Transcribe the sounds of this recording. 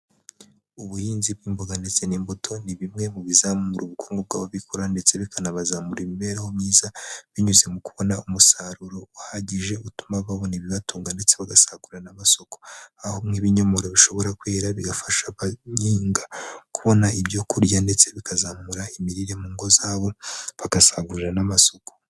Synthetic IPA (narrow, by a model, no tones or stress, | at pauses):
uβuhiːnziβ̚ɡiːmboɡandet͡seniːmbotʰo̞niβimŋe̞muβizamuuɾʔuβukʰu̥ːŋɡob̚ɡaːβaβikoɾande̞t͡se̞βikʰanaβazamuɾimiβe̞ɾahomɲiːzaβiɲuze̞mukuβo̞naumusaɾuɾo̞uhaɟiʒe̞utu̥maβaβo̞niβiβatuːŋɡande̞t͡se̞βaɡasaɡuɾanamaso̞ko̞̥aho̞ŋ̥iβiɲo̞mo̞ɾoβiʃo̞βo̞ɾakwe̞ːɾaβiɡafaʃaβaɲiːŋɡakuβo̞naibjo̞kuɾjande̞t͡seβikazamuɾaimiɾiɾe̞muːŋɡo̞zaːβo̞βakasaɡuɾanamaso̞ko̥